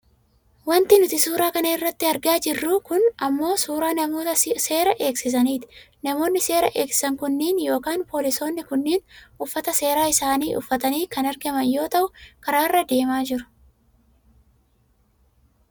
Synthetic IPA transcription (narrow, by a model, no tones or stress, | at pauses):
wɐnt̪ɪnʊt̪ɪsuːɾaːkɐnɐɪrːɐt̪ːɪɐɾɡaːd͡ʒɪrːʊkʊnɐmːo̞ːsuːɾaːnɐmoːt̪se̞ːɾɐʔe̞ːksɪs̬ɐniːt̪ɪ̥ | nɐmo̞ːnːɪse̞ːɾɐʔeːksɪ̥sɐŋkʊnːiːnjo̞ːkaːnpo̞ːlɪso̞ːnːɪkʊnːiːnʊfːɐt̪ɐse̞ːɾaːɪsaːniːʔʊ̰fːɐt̪ɐniːkɐnɐɾɡɐmɐnjo̞ːt̪ɐʔʊkɐɾaːrːɐd̪e̞ːmaːd͡ʒɪɾʊ̥